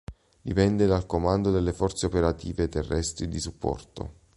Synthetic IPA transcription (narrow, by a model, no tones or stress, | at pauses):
d̪ipɛnd̪ed̪alkomand̪od̪elːefɔrt̪seopeɾat̪iːvet̪ːerːɛst̪ɾid̪isupːɔ̰rt̪o̰